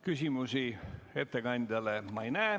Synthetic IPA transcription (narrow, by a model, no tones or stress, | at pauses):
kysʲimusie̞t̪ːˑe̞ɡɑnʲd̪̥ʲɑlemɑejnæː